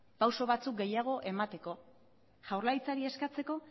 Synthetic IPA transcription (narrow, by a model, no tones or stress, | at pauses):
pawso̞βat͡suk̚ɡe̞jaɣ̞o̞ʔe̞mat̪e̞ko̞ | ʝawɾlajt͡saɾie̞skat͡se̞ko̞